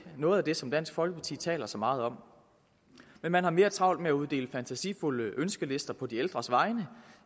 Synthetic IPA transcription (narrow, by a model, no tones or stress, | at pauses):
nɔ̽ːð̞̩ˠæd̥e̝sɒ̽md̥æn̰sɡ̥fɒ̽lɡ̥əpʰɑt͡sʰḭːt͡sʰɛ̰ːlɐsɒ̽mɑ̈ːð̞̩ˠɒ̽m̰ | menmænhɑ̈me̝ːɐt͡sʰʁɑ̈ʊld̥̚meæuð̞ˠd̥e̝̰ːləfænt͡sʰæsḭːfuləʔønsɡ̥əle̝sd̥ɐpʰɒ̽d̥ield̥ʁɐsʋɑ̈ɪnə